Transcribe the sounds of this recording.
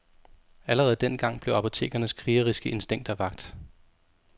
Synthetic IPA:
æləʁɛð̞̩ˠd̥en̰ɡ̥ɑ̈ŋ̰b̥le̝ʊɑ̈pʰo̝t͡sʰe̝̰ːɡ̥ɐnəskʰʁiːɐʁisɡ̥əʔe̝nsd̥eŋ̰d̥æʋɑ̈ɡ̥̚d̥

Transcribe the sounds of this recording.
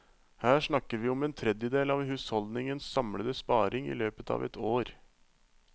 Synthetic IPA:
hæːʂɳɑkːəɾʋiːɔmeːnt̪ʰɾɛd̪jəd̪eːlɑʋhʉːshɔld̪nɪŋənssɑmɽəd̪əspɑːɾɪŋḭːløːpət̪ʰɑ̰ːʋɛ̰t̪ʰoːɾ

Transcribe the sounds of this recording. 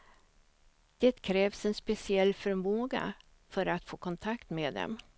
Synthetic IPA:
d̪̥eːt̪kʰɾɛːvsɛnspɛsɪɛlːfœɾmoːɡa̰ | fœɾat̪foːkʰɔnt̪ʰakt̪meːd̪ɛ̰m

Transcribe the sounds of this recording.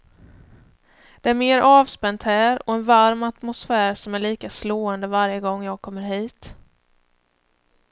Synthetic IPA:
d̪̥ɛæɾmeːɾʔɑːvspɛnt̪hæːɾɔɛnvaɾmat̪mʊsfæːɾsɔmæɭiːkasloːɛnd̪əvaɾjəɡɔŋːjɑːɡ̚kʰɔmːəɾɦiːt̪

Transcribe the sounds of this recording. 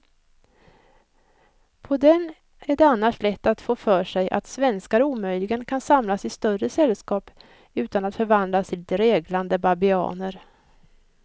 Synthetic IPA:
pʰɔd̪ɛn | æɖɛanːaʂlɛt̪ːat̪foːfœːʂɛjʔa̰t̪svɛnskaɾuːmœjlɪɡənkʰansamlasɪst̪œrəsɛlskɑːp | ʉ̟ːt̪anat̪fœɾvand̪lasɪliːt̪əɾeːɡland̪əbabɪɑ̰ːnəɾ

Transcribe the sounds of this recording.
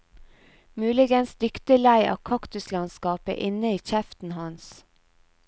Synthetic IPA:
mʉːlɪɡənsd̪ʏkt̪əlæɪʔɑ̰ːkʰɑkt̪ʉslɑnskɑːpə̰ʔɪnəiːçɛft̪n̩hɑns

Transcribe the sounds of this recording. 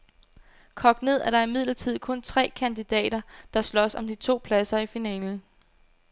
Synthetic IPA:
kʰɒ̽ɡ̥ne̝ð̰ˠʔæɾ̥ɑ̈ɐimið̞̰ˠlɐt͡sʰið̞̰ˠkʰɔ̽nt͡sʰʁɛ̰ːkʰænd̥id̥ɛ̰ːd̥ɐd̥ɑ̈slɒ̽sɒ̽md̥it͡sʰo̝̰ːpʰlæsɐifinɛ̰ːln̩

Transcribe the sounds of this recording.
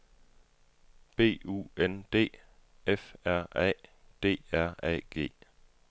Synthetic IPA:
b̥e̝̰ːṵːend̥e̝̰ː | efæɐ̰ɛ̰ː | d̥e̝̰ːæɐ̰ɛ̰ːɡ̥e̝̰ː

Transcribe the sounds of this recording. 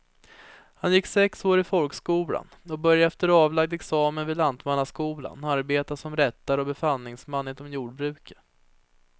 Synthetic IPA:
hanjɪkːsɛksoːɾɪfɔlkskuːla̰nɔbœɾjaɛft̪əɾɑːvlaɡ̚d̪ɛksɑːmənvɪːd̪land̪manːaskuːla̰naɾbeːt̪asɔmɾɛt̪ːaɾɔbɛfalnɪŋsmanːɪnɔmjuːɖ̚bɾʉ̟ːkə̥

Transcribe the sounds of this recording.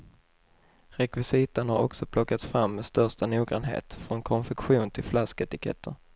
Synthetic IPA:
ɾɛkvɪsiːt̪ənhaɾɔ̰ksɔpʰlɔkːat̪sfɾamːɛst̪œʂʈanuːɡɾa̰nɦḛːt̪fɾɔnkʰɔnfɛkɧuːnt̪ʰɪlflaskɛt̪ɪkʰɛ̰t̪ʰːəɾ

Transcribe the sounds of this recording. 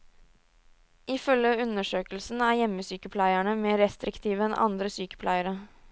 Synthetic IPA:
ɪfœljəʉnəʂøːkəlsn̩æːɾjɛmːəsyːkəpʰlæɪæɳəmeːɾɛst̪ɾɪkt̪ʰiːʋəɛnʔɑ̰nd̪ɾəsyːkə̥pʰlʔæɪəɾə

